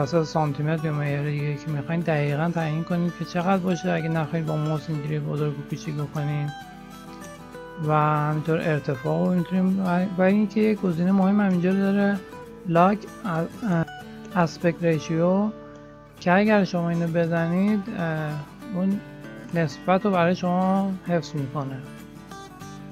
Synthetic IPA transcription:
æsæt̪esɒnt̪ʰimet̪jomejeɾed̪iɡeicʰemixɒːid̪æɣiːɣænt̪ʰæjinkʰo̞niːd̪kʲʰe̞t͡ʃʰe̞ɣæd̪̚bɒːʃiæɡenæxɒid̪bɒmosiŋɟiɾijebozoɾɡekʰuːt͡ʃʰicbo̞kʰo̞nid̪ | væhæmint̪ʰoɾʔe̞ɾt̪ʰe̞fɒːɣomit̪ʰunimbæiinkʰejecɡo̞ziːnemohemːhæmind͡ʒɒɾd̪ɒɾe | lɒkʰ | æspekɾeʃio | cʰeæɟæɾʃomɒːiːnobe̞zænid̪ | unː | e̞sbæt̪ɾobæɾɒːjeʃo̞mɒhe̞fsmiːkʰo̞ne

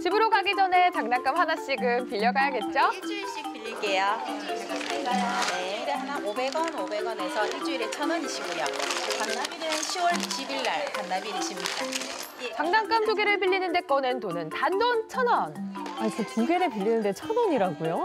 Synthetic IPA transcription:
t͡ɕibɯɾoɡaɡid͡ʑʌne̞t͡ɕaŋnaŋk͈amɦanaɕ͈iɡɯmpiʎːʌɡajaɡe̞t̚t͡ɕ͈ot͡ɕiɕ͈ik̚piʎːiɡejaeɡasʰeɡajoneɾeɦanaobe̞ɡʌnobe̞ɡʌne̞sʰʌid͡ʑuiɾet͡ɕʰʌnʌniɕʰibojʌpannabinɯnɕʰiwʌɭiɕʰibiɭːaɭtannabiɾɯɕ͈imɲid͈a | t͡ɕaŋnaŋk͈amtoɡeɾɯɭpiʎːinɯnde̞k͈ʌnɯntonɯntandont͡ɕʰʌnʌnais͈ʰʌtuŋɡeɾepiʎːinɯnde̞t͡ɕʰʌnʌɲiɾaɡujo

